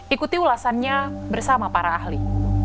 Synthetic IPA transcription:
ikut̪iulasanɲabərsamapaɾaːhli

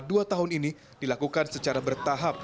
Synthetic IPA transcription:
duat̪aɦʊnini | d̥ilakukansət͡ʃaɾabərt̪aɦap̚

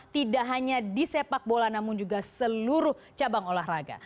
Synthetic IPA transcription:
t̪idaʔɦaɲadisepak̚bolanamʊnd͡ʒuɡasəluɾʊh | t͡ʃabaŋolaɦraɡa̰

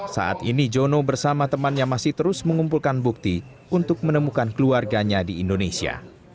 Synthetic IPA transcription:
sa̰ʔa̰t̪inid͡ʒonobərsamat̪əmanjaŋmasɪht̪əɾʊsməŋumpulkanbuk̚t̪i | unt̪ʊk̚mənəmukankəluarɡaɲadiːndonesia̰

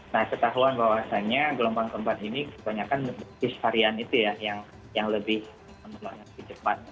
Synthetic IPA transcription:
nahkət̪aɦuanbawasaɲaɡəlombaŋkəmbat̪inikəbaɲakanbɪshaɾianit̪ujajaŋ | jaŋləbɪh | məməlaɲaləbit͡ʃəpat̪̚

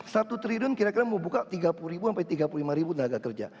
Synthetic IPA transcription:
sat̪ut̪əɾidʊnkiɾakiɾaməbukaʔt̪iɡapulɾibuampait̪iɡapululimaɾibud̪ənaɡakərd͡ʒa̰

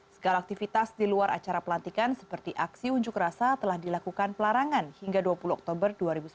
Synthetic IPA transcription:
səɡalaːk̚t̪ifit̪asdiluaɾʔa̰t͡ʃaɾapəlant̪ikansə̥pərt̪iʔaksiuɲd͡ʒʊkrasat̪əlahdilakukanpəlaɾaŋanhiŋɡaduapuluɔk̚t̪obərduaɾibus

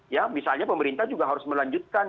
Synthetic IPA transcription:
jamisalɲapəməɾint̪ahd͡ʒuɡaɦaɾʊsməlaɲd͡ʒut̪̚kan

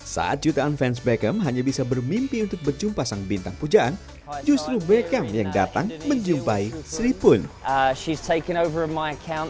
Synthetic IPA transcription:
sa̰ʔa̰t̪̚d͡ʒut̪aʔanfɛns̬bɛkɛmɦaɲabisabərmimpiunt̪ʊk̚bərd͡ʒumpasaŋbint̪aŋpud͡ʒaʔan | d͡ʒust̪ɾubɛkɛmjaŋda̰t̪aŋməɲd͡ʒumpaisɾipʊnʃiz̥tʰeɪkə̃ñoʊvə˞əmaɪəkʰãʊ̃n

